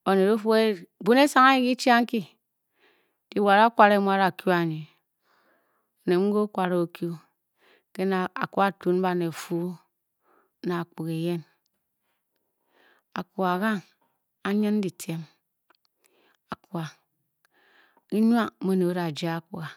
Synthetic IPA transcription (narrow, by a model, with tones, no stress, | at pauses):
o˨ne˨ɾo˦fu˦e˦bu˦ne˦sa˦ŋa˦i˦ki˦t͡ʃa˦ŋ̩˦ki˦ | di˨˦˨wa˨ɾa˦kʷa˨ɾe˦m˦a˦ɾa˨kju˦a˨ɲi˨ | o˨ne˨ŋ̩˦ɡo˦kʷa˨ɾo˨˦o˨kju˦ | ke˦na˨a˨ku˦a˦tu˨˦n̩˦ba˦˨ne˨fu˦ | na˨a˨k͡pu˨ke˨je˦n | a˨ku˨a˨ɣa˦ŋ | a˦ɲɨ˦n˦di˨tʰe˦m | a˨kwa˨ | i˦ɲ˦a˦mo˦no˨˦ɾa˨d͡ʒa˦a˦˨ku˨a˨